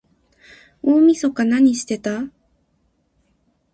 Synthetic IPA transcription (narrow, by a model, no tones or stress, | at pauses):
oːmʲiso̞kanaɲ̟iɕi̥t̪e̞t̪a